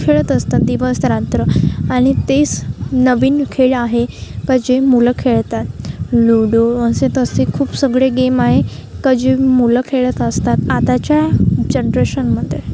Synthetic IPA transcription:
kʰeɭət̪əst̪at̪̚d̪iʋəsɾat̪ɾəaɽ̃it̪et͡snəʋiːnkʰeɭaɦekəd͡ʑemuləkʰeɭt̪at̪luɽoənset̪əsekʰuːpsəɡɭeɡemaɦekəd͡ʑemuləkʰeɭət̪əst̪at̪at̪at͡ɕjad͡ʑenɾeɕənməd̪ʱːje

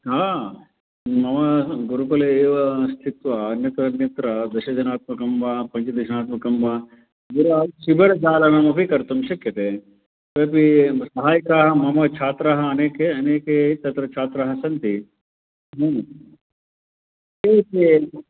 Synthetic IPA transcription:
ɦaː | mɐmɐɡuɾupɐlɐeːʋɐst̪ʰit̪ʋɐːnjɐt̪ɐnjɐt̪ɾɐd̪ɐʃɐd͡ʒɐnaːt̪̚mɐkɐmbʱapɐɲt͡ʃɐd̪ɐʃɐnaːt̪mɐkɐmbʱɐ | ɡiɾaːʃibʱɐɽɐd͡ʒaːlɐnɐmɐpikɐɾt̪umʃɐkjɐt̪eː | peːp̬isɐɦaːjɐkaːɦɐmɐmɐt͡ʃʰaːt̪ɾɐɦɐːneːkeɐneːket̪ɐt̪ɾɐt͡ʃʰaːt̪ɾɐɦɐsɐnt̪i | ɦɐ | ete

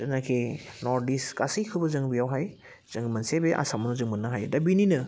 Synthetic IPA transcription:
zɐnakʰenɔɾdiskasijkʰɯbɐzɯŋbijawɦaj | z̥ɯŋmɐnsebeʔa̰samɔnɔzɯŋmɯnːaɦajdabininɐ

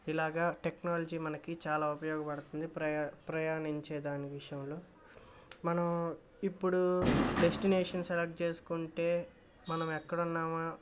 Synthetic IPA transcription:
ilaːɡaːʈeknaːlɐd͡ʒiːmɐnɐkit͡ʃaːlaːupɐjɔːɡɐpɐɽɐt̪und̪ipɐpɾɐjaːniɲt͡ʃɛːd̪aːniʋiʂɐjɐmlo̞ː | mɐnɐm | ipːuɽuɖesʈineːʂɐnselɐk̚ʈ̚t͡ʃe̞ːsu̥kuɳʈe̞ː | mɐnɐmɛkːɐɽunːaːmaː

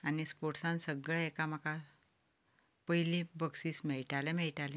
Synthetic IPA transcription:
añispoʈsãnsəɡɭɛekam̤əkʰa | pəjlĩbəksiːsmɛɭʈalɛmɛɭʈalɛ̃

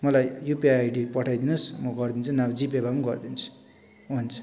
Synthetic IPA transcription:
mʌlajjupiajɖipʌʈʰajd̪inusmʌɡʌrd̪int͡sʰunabd͡zipebamuɡʌrd̪int͡sʰu̥ | ɦunt͡sʰu̥

